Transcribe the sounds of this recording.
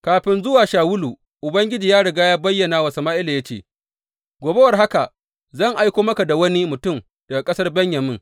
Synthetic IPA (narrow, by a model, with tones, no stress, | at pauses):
kaː˨ɸɪ˨nzʊ˦waː˨ʃaː˨wʊ˦lu˨ | ʔʊ˨bɐ˦ŋɡʲɪ˦d͡ʒiː˨jaː˦ɽɐ˨ɡaː˦jaː˦bɐ˦jːɐ˨naː˦wɐ˨sɐ˨maː˦ʔɪ˦laː˨ja˦t͡ʃḛː˦˨ | ɡʷoː˨be˦wɐ˨rɦa˦ka˨ | zɐ˦˨ŋʔa˦jkʷoː˦mɐ˦ka˨da˨wɐ˦ni˦mʊ˨tʊ˦˨m | d̥ɐ˨ɡa˨kʼɐ˦sɐ˦rbɛ˦ɲjɐ˨mɪ˦ŋ